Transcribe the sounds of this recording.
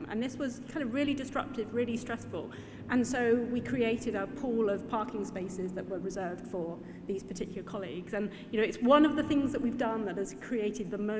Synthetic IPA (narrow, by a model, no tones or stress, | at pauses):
ʔə̰̃nðɪswʌz̥kʰãɪ̃ndəvɹɪlˠidɨstɹ̥ʌ̰p̚tʰɨvɹɪlˠistɹ̥ɛsfə̰lˠ | ʔə̃nsoʊwikʰɹ̥ieɪɾɪɾəpʰulˠʌv̥pʰɑɹˑkʰɪ̃ŋspeɪsɪzðəʔwə˞ɹɨzɜ˞vd̥fə | ðiz̥pʰətʰɪkjl̩ˠə˞kʰɑlḭɡz̥ɨ̃n | jɨnoʊɨtswʌ̃nʌvðəθɪ̃ŋzðəʔwivdʌ̃nðət̚ɨz̥kʰɹ̥ieɪɾɨd̪̚ðəmoʊ